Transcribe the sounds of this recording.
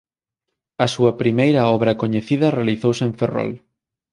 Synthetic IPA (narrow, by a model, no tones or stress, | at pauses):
ɐsuɐpɾimejɾɐɔβɾɐkoɲeθiðɐrealiθowseɱferɔ̰l